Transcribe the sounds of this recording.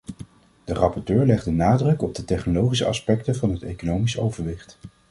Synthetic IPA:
d̥ərɑpɔɹtøːɹlɛχdənaːdrɵkɔb̚dətɛχnolowχis̬ə̰ʔɑ̰spɛk̚təvɑnɦətejkonowmisowvəɹʋɪχt

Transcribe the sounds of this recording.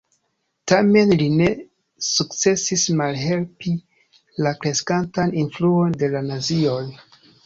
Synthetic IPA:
tame̞nline̞ | sukt͡se̞sismalɦe̞lpi | lakɾe̞skantaninfluo̞nde̞lanazioj

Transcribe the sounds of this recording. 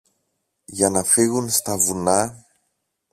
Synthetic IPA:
ʝɐnɐfiɣunst̪ɐvunɐ

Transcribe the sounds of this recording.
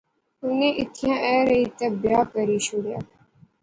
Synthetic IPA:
ʊnẽːʔɪt̪ʰijãːʔɛːɾəiːt̪əbjaːkəɾiːʃʊɽja̰ː

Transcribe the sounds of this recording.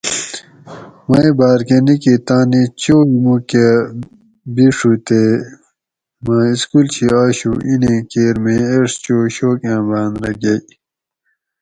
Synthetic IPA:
mɐibaːɾkenikit̪ãːnit͡ɕoːimuke | biʂut̪e | mãːiskult͡ɕʰiaːɕuinẽːkeːɾmẽeʂt͡ɕoːɕoːkãːbãːnɾɐɡɐj

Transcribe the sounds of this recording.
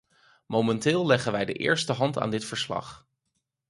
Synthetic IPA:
mowmɛntɪːlˠlɛχənʋɛjdəʔɪ̰ːɹstəɦɑnta̰ːndɪtfəɹslɑ̰χ

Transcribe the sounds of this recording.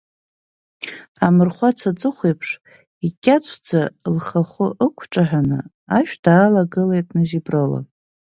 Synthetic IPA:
amɨrχʷat͡sʰat͡sʼɨχʷejpʰʂ | ikʲʼat͡ʃʷʰd͡zalχaχʷʊʔəkʷʰʈ͡ʂʼaħanɨ̰ | aʃᶣd̥aːlaɡɨlejtʼnɨzibrola̰

